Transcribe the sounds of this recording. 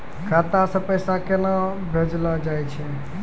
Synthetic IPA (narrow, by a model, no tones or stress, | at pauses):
kʰat̪asə̃pəjsakena | bʱed͡ʒlad͡ʒajt͡ʃʰɛ